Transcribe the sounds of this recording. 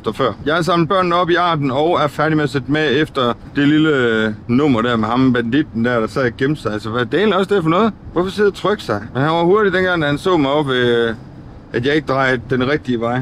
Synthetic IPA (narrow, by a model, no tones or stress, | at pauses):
d̥ɐfɶɐ̰jɑ̈ɪæɐs̬ɑ̈ml̩d̥̩̚b̥ɶɐ̰nn̩ɒ̽b̥iɑ̈ːd̥n̩ɒ̽ʊæɐfæɐɾimeæsed̥meefd̥ɐd̥e̝lilənɔ̽m̰ɐɾ̥æɐ̰mehɑ̈mb̥ænd̥id̥n̩d̥æɐd̥ɑsɛð̰ˠɡ̥emsɑ̈ɪælsəʋæd̥eeːnliɒ̽sd̥e̝ɐfɒnɔ̽ːð̞̩ˠʋɒfɒ̽seðˠɐt͡sʰʁœɡ̥ə̥sɑ̈ɪhænʋɑ̈huɐɾid̥enɡ̥ɑ̈ŋd̥æhænsɔ̰ːmɑ̈ɪɒ̽b̥ʋe | æd̥jɑ̈e̝ɡ̥əd̥ʁɑ̈ɪd̥enʁɛɡ̥̚d̥iəʋɑ̈ɪ̰